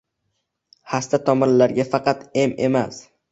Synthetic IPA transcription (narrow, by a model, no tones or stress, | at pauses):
hast̪at̪ʰɒmɒnlaɾɡʲafɑqɑt̪e̞me̞̰mas